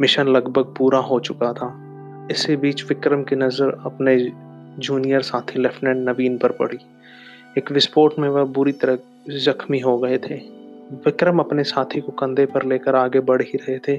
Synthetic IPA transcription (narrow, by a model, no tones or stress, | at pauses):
mɪʃənlɐɡbʱəɡ̚puːɾaɦot͡ʃʊkat̪ʰaː | ɪsebiːt͡ʃʋɪkɾəmkenɐzəɾɐ̰pned͡ʒuːnijəɾsaːt̪ʰilɛfʈnɛ̃ːɳɖnɐʋiːnpəɾpɐ̰ɽ̤i | eːkʋɪspoːɾʈmẽʋəɦbʊɾit̪ɐɾə | zɐxmiɦoɡɐet̪ʰeːʋɪkɾəmɐpnesaːt̪ʰikokɐ̃nd̪ʱepɐɾleːkəɾaːɡebɐɽ̤ɦiɾɐɦet̪ʰeː